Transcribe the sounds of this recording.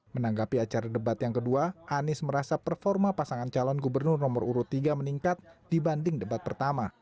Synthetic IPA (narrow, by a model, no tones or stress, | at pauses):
mənaŋɡapiat͡ʃaɾadəbat̪jaŋkəduaʔanɪsməɾasapərfɔrmapasaŋant͡ʃalɔnɡubərnʊrnɔməruɾʊt̪ːiɡaməniŋkat̪̚d̥ibandɪŋdəbat̪̚pərt̪ama